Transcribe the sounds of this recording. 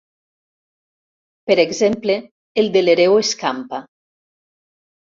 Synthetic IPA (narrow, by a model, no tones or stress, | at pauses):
peɾeɡzempleː | ld̪eleɾeweskampa